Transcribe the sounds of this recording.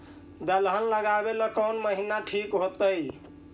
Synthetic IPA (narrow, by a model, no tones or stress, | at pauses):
d̪əlɦəlləɡabeləkəwnməɦinaʈʰikɦot̪əj